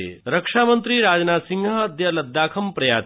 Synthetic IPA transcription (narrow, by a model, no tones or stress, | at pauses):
ḛɾɐkʂaːmənt̪ɾiːɾaːd͡ʒnaːsiŋɡʱɐɐd̪jɐlɐd̪ːaːkʰɐmpɾɐjaː